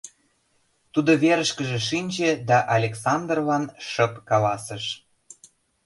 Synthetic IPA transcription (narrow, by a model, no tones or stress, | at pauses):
t̪ud̪oβeɾəʃkəʒĕʃ̬inʲd͡ʑĕd̪ɑʔɑlʲeksɑnd̪rlɑnʃə̆pkɑlɑsəʃ